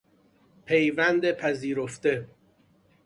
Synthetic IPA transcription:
pʰejvænd̪epʰæziːɾoft̪e̞

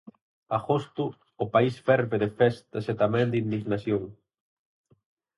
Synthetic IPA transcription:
axost̪uː | paisfɛɾβeðefɛst̪aset̪amɛ̃nd̪ind̪iznasjoŋ

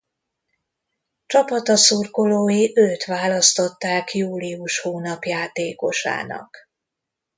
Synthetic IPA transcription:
t͡ʃɒpɒt̪ɒsurkoloːjiʔøːt̪ʋaːlɒst̪o̞t̪ːaːkjuːliuʃhoːnɒpjaːt̪eːko̞ʃa̰ːnɒ̰k

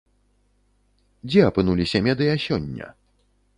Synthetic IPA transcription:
d͡zʲɛɐpɨnulʲisʲɐmʲɛd̪ɨjɐsʲɔnʲːɐ̰

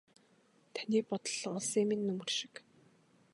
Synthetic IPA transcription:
t̪ʰaniːpɔt̪ɞ̆ɮɔɮseːminːɵmɵ̆rʃɪ̥̆k

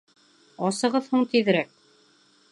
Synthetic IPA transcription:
ɑsɤ̆ʁɤðhuɴt̪iðɘ̆ɾæk̚

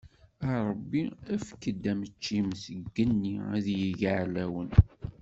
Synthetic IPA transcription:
ɑɾˤəbːiæfkːəd̪ːæmət͡ʃːimsəɡːənːiæðjəʝʕlæwən

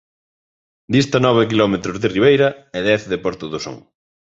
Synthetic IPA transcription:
d̪ist̪anɔβ̞ekilɔmet̪ɾozðɪriβ̞ejɾɐeðɛθðepɔɾt̪uðoso̰ŋ

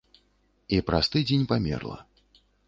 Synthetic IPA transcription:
ipɾast̪ɨd͡zʲenʲpamʲɛ̰rlˠɐ̰

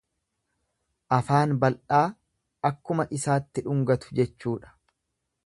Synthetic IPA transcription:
ʔɐfaːnbɐlʔaː | ʔɐkːʊmɐʔɪsaːt̪ːɪᶑʊŋɡɐt̪ʊ̥d͡ʒɛt͡ʃːuːᶑɐ̥

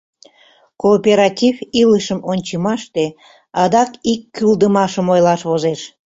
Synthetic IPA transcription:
koːpʲeɾɑtʲiviləʃəmʔonʲt͡ɕəmɑʃt̪e | ɑd̪ɑkikːyld̪əmɑʃəmojlɑʃβozeʃ

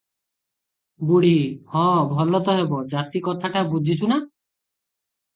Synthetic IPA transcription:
buɽ̤ihɔ̃bʱɔlɔt̪ɔɦebɔd͡ʒat̪ikɔt̪ʰaʈabud͡ʒʱit͡ʃʰuna

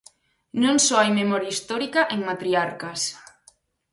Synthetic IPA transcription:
nõŋsɔajmemɔɾjaist̪ɔɾikaʔeŋmat̪ɾiaɾkas

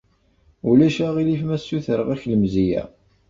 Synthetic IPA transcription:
ulæʃæʁilifmæsːuθəɾʁæçləmzijæ̰

